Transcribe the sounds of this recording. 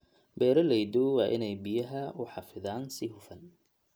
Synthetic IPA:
bɛːɾɐlɛjd̪uwɑːʔɪ̰nɛjbɪjɐɦɐʊħɑfɪðaːnsɪɦʊfɐn

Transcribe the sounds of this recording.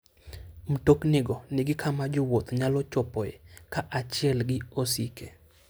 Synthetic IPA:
m̩toknɪɡɔnɪɡɪkʰamad͡ʒowot̪ɲalɔt͡ʃɔpɔjekaʔat͡ʃɪɛlɡɪosike

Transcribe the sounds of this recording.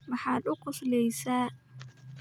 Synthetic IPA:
mɑħɑːd̪ʊqʊslɛjsaː

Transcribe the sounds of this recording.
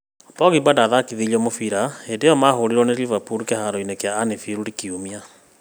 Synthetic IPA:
pɔɣibadaðakiðiliɔmofiɾaedejɔmaɦoɾiɾwɔneɾivapuɾkehaɾɔinekeaːnefiɾuɾikiumia

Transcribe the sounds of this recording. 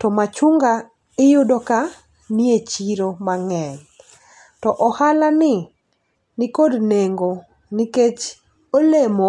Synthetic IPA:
tɔmat͡ʃuŋɡa | ɪjʊdoka | niet͡ʃiɾomaŋɛɲ | tɔʔɔhalanɪ | nɪkodneŋɡo | niket͡ʃ | olemo

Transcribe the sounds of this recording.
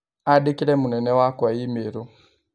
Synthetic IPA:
adikiɾɛmunɛnɛwakwaimeɾo

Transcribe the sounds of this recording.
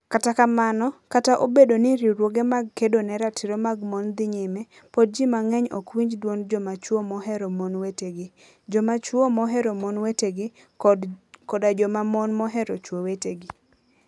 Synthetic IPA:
katakamanɔkataʔobedonɪɾiɾwoɡemaɡ̚kedonɛɾatʰɪɾomaɡmɔnd̪ɪɲɪmɛ | pod̚d͡ʒimaŋɛɲokwiɲd͡ʒdwond͡ʒɔmat͡ʃwomɔɦɛɾɔmɔnweteɡɪ | d͡ʒɔmat͡ʃwomɔɦɛɾomɔnweteɡɪ | kɔdad͡ʒɔmamɔnmɔɦɛɾot͡ʃwoweteɡi

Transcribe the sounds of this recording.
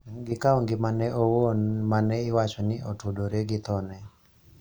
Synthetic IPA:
ɡɪkaɔŋɡɪmanɛʔowonmanɛɪwat͡ʃɔnɪʔɔtodoɾeɡɪt̪ɔnɛ

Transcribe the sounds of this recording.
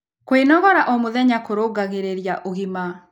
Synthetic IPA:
kwenɔɣɔɾaʔɔmoðɛɲakoɾoɡaɣeɾeɾjaʔoɣima

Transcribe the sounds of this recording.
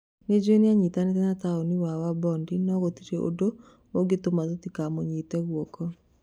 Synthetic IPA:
ned͡ʒeneaɲitanetɛnataoniwawabɔndinɔɣot̪iɾeʔo̰do | oɡɪt̪omatot̪ikamoɲitɛɣwɔkɔ

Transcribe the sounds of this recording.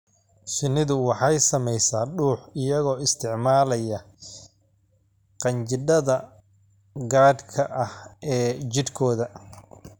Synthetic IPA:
ʃɪnɪðʊwɑħɑjsɐmɛjsaːɖuːħɪjɐɣɔːɪst̪ʰɪʕmaːlɐjɐ | qɑnt͡ʃɪɖɐðɐ | ɡaːd̪kʰɐʔɐhʔɛːt͡ʃɪd̪kʰɔːðɐ

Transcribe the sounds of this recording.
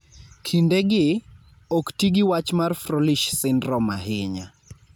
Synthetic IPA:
kʰindeɡɪ | oktiɡiwat͡ʃmarfroliʃsɪnrɔmaɦɪɲa

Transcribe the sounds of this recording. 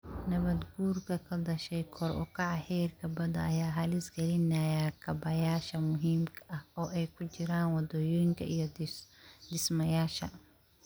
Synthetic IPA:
nɐβɐd̪ɡuːrkʰɐkʰɐd̪ɐʃɛjkʰɔrʔʊ̰kʰɐʕɑhɛrkʰɐbɐdɐ̰ːjaːɦɐlɪsɡɛlɪnɐjakʰɐbɐjaːʃɐmʊɦiːmkʰɐʔɐhɔːʔɛjkʰʊt͡ʃɪɾaːnwɑd̪ɔjɔjŋkʰɐʔijɔ | d̪ɪsmɐjaːʃɐ̰

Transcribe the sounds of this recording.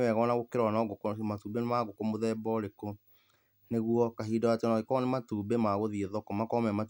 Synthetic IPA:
wɛɣɔnaɣokeɾwanɔɡokomatuːbenemaɣokomoðɛbɔɾeko | neɣuɔkaɦiːdɔwateɔnaɣekɔnematuːbemaɣoðieðɔkɔmakɔmɛmat

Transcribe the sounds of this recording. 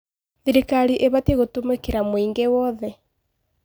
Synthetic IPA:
ðiɾikaɾiʔeβateɣotomekeɾamwiːŋɡewɔðɛ

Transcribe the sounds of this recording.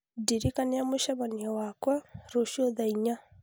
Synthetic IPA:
diɾikaniameʃaβaniawakwaɾoʃoðaiɲa

